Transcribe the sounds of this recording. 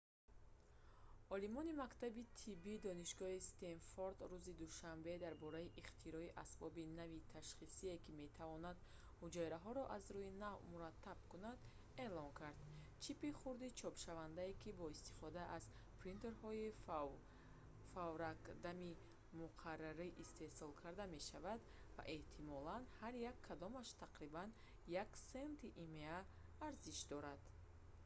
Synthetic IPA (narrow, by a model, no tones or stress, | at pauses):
ɔlimɔnimakt̪ʰabit̪ʰibid̪ɔniʃɡɔhist̪enfoɾd̪ɾuzid̪uʃambe̞d̪aɾbɔɾaiʔiχt̪ʰiɾɔiʔasbɔbinavit̪ʰaʃχisie̞kime̞t̪ʰavɔnad̪ | hud͡ʒɔjɾaɦɔɾɔʔazɾuinavmuɾat̪ʰːab̥̚kunad̪ | e̞lɔŋkʰaɾd̪ | t͡ʃʰipiχuɾd̪it͡ʃʰɔpʃavand̪aekibɔist̪i̥fɔd̪aʔaz | pɾint̪eɾhɔi | favɾakd̪ami | muqʰarːaɾiʔist̪ʰe̞sɔlkʰaɾd̪ame̞ʃavad̪ | va̰ʔe̞ht̪ʰimɔlanhaɾjakʰːad̪ɔmaʃt̪ʰaqɾiban | jaksent̪ʰiʔimeaː | ɾziʃd̪ɔɾad̪̥